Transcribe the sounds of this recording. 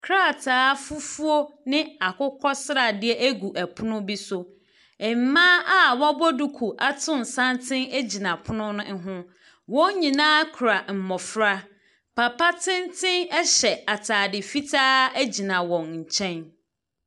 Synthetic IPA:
kʰɾa˦˨tʰaː˦fu˦fu˦o˦nɪ̃˦a˨kʰʊ˦kʰɔ˦sɾa˨dɪ˦ɛ˦ʔæ˦ɡu˨ʔæ˨pʰʊ˦nʊ̃˦bi˦sʊ˨ | ɛ˨m̩˨mã˦ʔa˨wa˦bɔ˦du˨kʰu˨ʔa˨tʰʊ̃˦n̩˨sã˦ntʰɪ̃˦næ˦d͡ʑi˨nã˨pʰʊ˦nʊ̃˦nʊ̃˦ɦʊ̃˦ | wɔ̃˦ɲĩ˨nãː˦kʰɾa˨m̩˨mɔ˨fɾa˦ | pʰa˨pa˦tʰɪ̃˦ntʰɪ̃˦nɛ˦ɕɛ˨a˨tʰaː˨dɪ˨fi˦tʰaː˦æ˦d͡ʑi˨nã˨wɔ̃˨nɲ̩˨t͡ɕʰɛ̃˦n

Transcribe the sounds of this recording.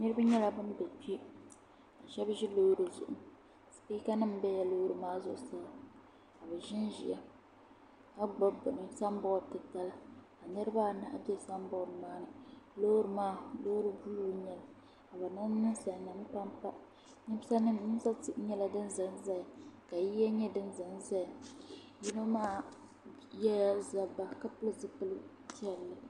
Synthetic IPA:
nɨ˦ɾɨ˦ba˦ɲɛ˦la˦bɨ˦n˦bɛ˨t͡ʃi˦ | a˨ʃɛ˦bʒi˦lo˦ɾo˨zʊ̰˨ʔʊ˨m˨ | spiː˦ka˦nɨ˦m˦bɛ˦ja˨lo˦ɾɨ˨maː˦zʊ˦ʔsa˦ | ka˨bɛ˨ʒɪ˦nʒi˨ʔa˨ | ka˦ɡ͡ba˦bɨ˨nɨ˨sa˦m˦bʊ˦˨tɨ˨ta˦la˦ | a˨nɨ˦ɾɨ˦ba˦˨na̰˨ʔbɛ˦˨sa˦m˦bʊ˦˨maː˦nɨ˨lo˦ɾɨ˨maː˦˨lo˦ɾɨ˦bu˦lu˦ɲɛ˨la˨ | a˨ba˨na˦nɨ˦nsa˨na˨m˦pa˦mpa˦ | nɨ˦bsa˦nɨ˦m˨nɨ˦m˦sa˦ti˦ɲɛ˦la˦dɨ˦nza˨nza˦a˨ka˨ji˦ɛ˦ɲɛ˦dɨ˦n˦za˨ŋza˦ja˨ | ji˦no˦maː˦ | jɛ˦a˦za˨ba˦ka˦pɨ˦lɨ˦zɨ˦pɨ˦lɨ˦ | ti˦ɛ˨lːɨ˦

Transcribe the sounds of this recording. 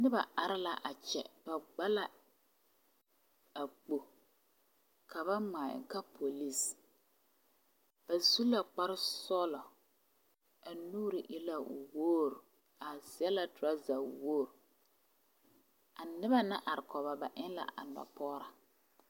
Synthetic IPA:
nɪ˦ba˨ʔa˨ɾɪ˦la˨ʔa˨t͡ʃɛ˨ba˨ɡ͡ba˦la˦ | a˨k͡po˨ | kʰa˨βa˦maː˨ɪ̰˨ka˦pʰo˨li˦s | b̥a˨zu˦la˨k͡pa˦ɾɪ˦sɔː˦lɔ˨ | a˨nuː˦ɾɪ˨ʔɪ˦la˦˨woː˦ɾu˨ | a˨sɪ˦ɛ˦la˦tɾa˦za˨woː˦˨ɾ | a˨nɪ˦ba˦na˦ʔa˨ɾɪ˨kɔ˨ba˨ba˨ʔɪ˦nla̰˨ʔa̰˨nɔ̰˨pɔː˦ɾa˨

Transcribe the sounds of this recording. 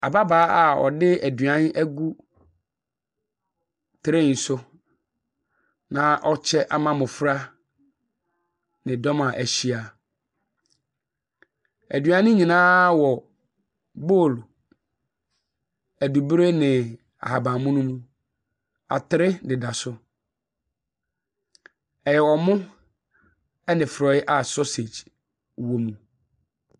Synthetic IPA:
a˨ba˦baː˨˦a˨ɔ̰˨dɪ˦æ˨dɥã˦n˦æ˦ɡu˦ | tʰɪ˨˦ɾɪ̃˦˨n̩˨sʊ˦ | nã˨˦ʔɔ˦t͡ɕʰɛ˦ʔa̰˨mã˦mʊ̃˨fɾa˦ | nɪ̃˨dɔ˦mã˨ʔæ˨ɕi˦a˨ | æ˨dɥã˦nʊ̃˦ɲĩ˨nãː˦wɔ˨ | bo˦˨l | æ˨du˨bɾe˦nɪ̃˨ | a̰˨ha˨bã˨mʊ̃˦nʊ̃˦mũ˦ | a̰˨tʰɪ˨ɾɪ˦dɪ˨da˨sʊ˦ | ɛ˨jɛ˨wɔ˨mʊ̃˦ | ɛ˦nɪ̃˨fɾɔ˨˦ɪ˦ʔa˦˨sɔ˦se˨d͡ʑ | wo˦mũ˨

